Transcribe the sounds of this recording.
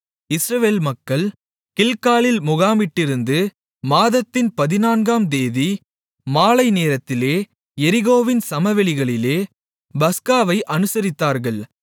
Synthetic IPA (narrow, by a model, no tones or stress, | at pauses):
ɪsɾɐʋeːlmɐkːɐɭ | kɪlkaːɭɪlmʊɣaːmɪʈːɪɾɯnd̪ɯ | maːðɐt̪ːɪnpɐðɪnaːnɡaːmd̪eːði | maːlɐɪneːɾɐt̪ːɪleː | ɛɾɪɣoːʋɪnsɐmɐʋɛɭɪɣɐɭɪleː | bɐskaːʋɐɪʔɐnɯsɐɾɪt̪ːaːɾɣɐɭ